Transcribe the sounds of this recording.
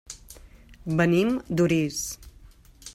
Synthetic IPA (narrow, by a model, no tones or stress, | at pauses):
bənimd̪uɾis